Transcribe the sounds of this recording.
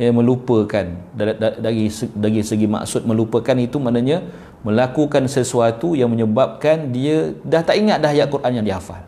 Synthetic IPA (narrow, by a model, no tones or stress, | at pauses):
əmə̃lupəkanadaɡisədaɡisəɡima̰ksʊt̪̚mə̃lupəkanit̪umaʔnaɲã | mə̃lakukansəsuat̪ujaŋmə̃ɲəbap̚kandiədaht̪aʔiŋat̪̚daɦjaʔkuɾʔanjaŋdiafa̰l